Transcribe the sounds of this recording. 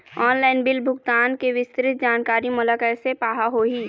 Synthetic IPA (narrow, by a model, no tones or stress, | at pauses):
ɔːnlaːɪnbɪlbʱʊɡt̪aːnkeʋɪst̪ɾɪt̪̚d͡ʒaːnkaːɾimʊlakəsepaːɦaɦoːɦiː